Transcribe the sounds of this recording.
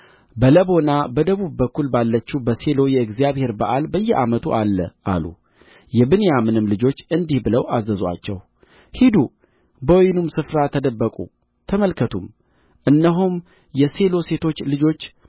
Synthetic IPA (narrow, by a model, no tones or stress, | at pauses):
bələbo̞nabəd̪əβubːəkːulbalːət͡ʃːubəse̞lo̞jɛɨɡzijaβhe̞ɾbaʔalbəjːɛʔamət̪ʰuʔalːə̰ʔa̰lṵ | jɛbɨnejamɨnɨmlɨd͡ʒo̞t͡ʃːɨnd̪ihbɨləwʔazːəza̰t͡ʃːɛ̰w | hid̪u | bəwjɪnumsɨfɾat̪ʰəd̪əbːəkʼṵ | t̪ʰəməlkʰət̪ʰum | ʔɨnːəɦum | jɛse̞lo̞se̞t̪ʰo̞t͡ʃːlɨd͡ʒo̞t͡ʃː